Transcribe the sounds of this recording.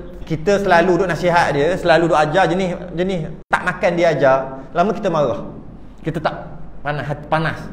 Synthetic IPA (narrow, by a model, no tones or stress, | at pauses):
kit̪əsəlaludʊʔnasiɦat̪̚diəsəlaludoʔad͡ʒad͡ʒənɪhd͡ʒənɪst̪a̰ʔmakandiad͡ʒarlaməki̥t̪əmaɾɔh | kit̪ət̪aʔpanaspanas